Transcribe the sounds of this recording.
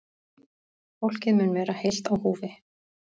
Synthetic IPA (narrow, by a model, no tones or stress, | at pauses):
fowl̥cɪðmʏnvɛːɾahejl̥t̪awhuːvɪ